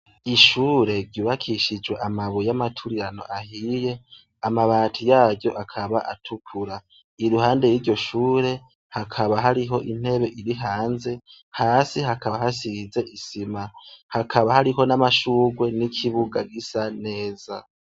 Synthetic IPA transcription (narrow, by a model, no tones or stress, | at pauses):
iʃuːɾe̞ɾɟuːβakʰiʃid͡ʒwe̞ʔamaβujamatʰuɾiɾano̞̰ʔahiːje̞ | amaβaːtʰujaːbɟo̞ʔakʰaβaʔatʰukʰuɾa | iɾuhaːnde̞jiːɾɟo̞ʃuːɾe̞ | hakʰaβaɦaɾiɦo̞ʔin̥e̞βe̞ʔiɾiɦaːnze̞ | haːsiɦakʰaβaɦasize̞ʔisimahakʰaβahaɾiɦo̞namaʃuːɡwe̞nikʰiβuɡaɡisane̞ːz̥a